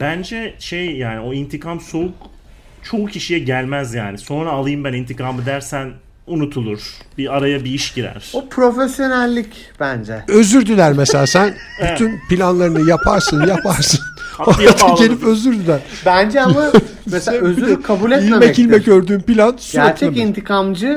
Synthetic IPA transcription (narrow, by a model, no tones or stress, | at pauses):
bænd͡ʒɛʃejjaːnio̞int̪ʰikʰamso̞uk | t͡ʃʰo̞ucʰiʃijɛɟælʲmæzjaːniso̞nɾaːlˠɯjɯmbænint̪ʰikʰamɯd̪æɾsæn | unut̪ʰulˠuɾ̥b̥iaɾajabiiʃɟiɾæ̰ɾ̥upʰɾo̞fesjo̞nælʲːic | b̥ænd͡ʒɛø̞zyɾd̪ylʲæɾmeselʲaːsæn | b̥yynpilʲanlˠaɾɯnɯjapʰaɾsɯnjapʰaɾsɯnat̪ʰacʰelʲifø̞zyɾd̪ylʲæɾ | bænd͡ʒɛama | mesɛøzykʰabuːlʲɛt̪ilʲɛmɛcilʲmɛɟøɾd̪yːmpilʲansuæeɾt̪ʰɛint̪ʰikʰamd͡ʒɯ